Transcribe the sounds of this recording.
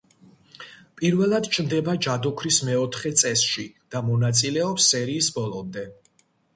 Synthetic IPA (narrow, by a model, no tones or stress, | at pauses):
pʼiɾvɛlˠad̪t͡ʃʰnd̪ɛbad͡ʒad̪ɔkʰɾismɛɔt̪ʰχɛt̪sʼɛsʃid̪̥amɔnat̪sʼilɛɔpsːɛɾiːsbɔlˠɔmd̪ɛ